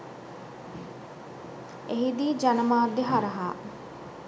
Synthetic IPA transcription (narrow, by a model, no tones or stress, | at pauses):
eɦid̪iːd͡ʒanɐmaːd̪eɦaɾɐɦaː